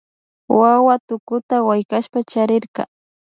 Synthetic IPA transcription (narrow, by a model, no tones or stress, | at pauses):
wawat̪ʊkʊt̪awajkaʃpat͡ʃaɾɪɾkɑ̰